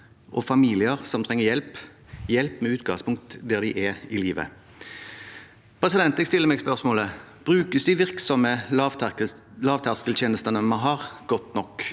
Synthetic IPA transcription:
ʔɔfɑmiːlɪəʁsɔmt̪ʰʁɛŋːəjɛlp | jɛlpmɛʉːt̪ɡɑŋspʰʊŋk̚t̪d̪ɛɾd̪ɪʔɛɪliːʋə̰ | pʰɾɛsɪd̪ɛnt̪ɛɡst̪ɪlːəɾmɛɡspœʁsmoːləb̥ɾʉːkəsd̪ɪʋɪʁksɔmə | lɑːʋt̪ʰɑʁskəlt̪ʰjeːnəst̪ənəmɑnɦɑʁɡ̥ɔt̪nɔkː

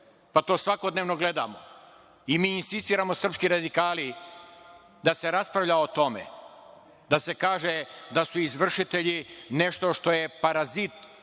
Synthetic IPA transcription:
pat̪oːsʋako̞d̪neːʋno̞ɡle̞d̪a̰ːmo | imiːnsist̪iːɾamosr̩pskiɾad̪ikaːli | d̪ase̞ɾaspɾavʎaot̪o̞mḛ | d̪ase̞kaːʒed̪asuizʋr̩ʃit̪e̞ʎine̞ʃt̪o̞ʃt̪o̞jepaɾazit̪

